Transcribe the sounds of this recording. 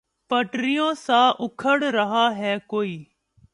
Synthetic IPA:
pəʈɾɪjõːsãːʔʊkʰəɽɾəɦaːɦɛːkoːiː

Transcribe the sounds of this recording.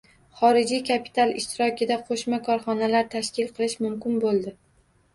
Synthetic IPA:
χɒɾɪd͡ʒijkʰapʰi̥t̪ʰalˠɪʃt̪ɪɾɒkʲɪd̪aqʰoʃmakʰɒɾχɒnalaɾt̪ʰaʃkʲɪlˠqʰɨlˠɪʃmʊmkʲɪnbolˠd̪ɪ

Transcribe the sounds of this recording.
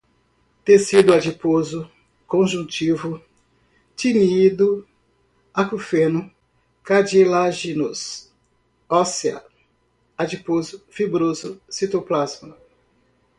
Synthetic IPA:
t̪esid̪ʊad͡ʒipozʊ | kõʒũt͡ʃivʊ | t͡ʃ̪inid̪ʊ | akufenʊ | kad͡ʒilaʒinus | ɔsiɐ̰ | ad͡ʒipozʊfibɾozʊsit̪oplazmɐ

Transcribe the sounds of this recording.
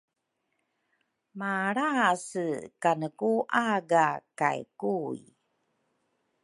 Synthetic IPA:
maɾasəkanəkuʔaɡaka̰jkuj

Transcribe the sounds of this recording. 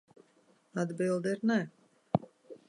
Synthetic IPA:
ad̪bilˠd̪iɾnɛ

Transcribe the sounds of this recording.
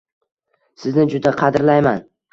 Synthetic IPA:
sɪznɪd͡ʒʊd̪aqʰɑd̪ɾlajman

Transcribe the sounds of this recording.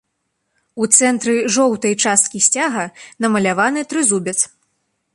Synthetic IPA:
ut̪sɛnt̪ɾɨʐɔwt̪ɐjt͡ʂast̪̚kʲisʲt͡sʲaɣɐnɐmɐlʲavanɨt̪ɾɨzubʲɛt̪s

